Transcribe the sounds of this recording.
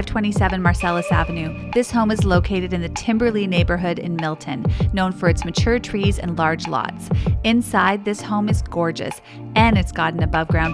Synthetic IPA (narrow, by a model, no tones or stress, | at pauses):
v̥tʰw̥ɛ̃ɾ̃isɛvɨ̃nmɑɹsɛlˠəsævɨ̃nʉ | ðɪshõʊ̃mɨzloʊkʰeɪɾɨɾɨ̃nðɨtʰɪ̃mbə˞lineɪbə˞ɦʊɾɪ̰̃nmɪlˠtʰɨ̃nːõʊ̃nfə˞ɨtsmɨt͡ʃʰʊɹtʰɹ̥izɨ̰̃nlɑɹd͡ʒlɑ̰tsɨ̃nsaɪd̪̚ðɪshõʊ̃mɨzɡɔɹd͡ʒɨ̰s | ɨ̃nɨtsɡ̥ɑɾ̃n̩ɨbʌvɡɹãʊ̃n